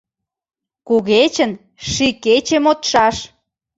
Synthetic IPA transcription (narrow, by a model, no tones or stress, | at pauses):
kuɣet͡ɕə̆n | ʃiket͡ɕemot̪ʃɑʃ